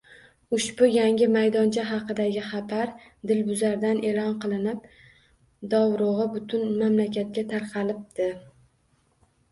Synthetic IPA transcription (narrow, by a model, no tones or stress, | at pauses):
ʊʃbʊjaŋʲɪmajd̪ɒnt͡ʃʰaɦɑqɨd̪aɡʲɪχɑbaɾ | d̪ɪlbʊzaɾd̪anʔe̞lɒnqʰɨlˠɪnɪp̚ | d̪ɒwɾʊʁɨbʊt̪ʰʊnmamlakʲʰat̪̚kʲat̪ʰaɾqʰɑlɪp̚d̪̥ɪ